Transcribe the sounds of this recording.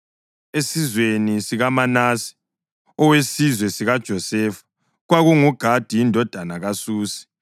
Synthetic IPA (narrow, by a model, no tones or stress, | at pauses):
esizwenisiɣamanaːsi̥ | ɔwesizwɛsiɣad̥ʒ̥ʱɔsɛːfu̥ | ɣwaɣuŋuɡ̥ʱad̥ʱiindʱɔd̥ʱanaɣasuːsi̥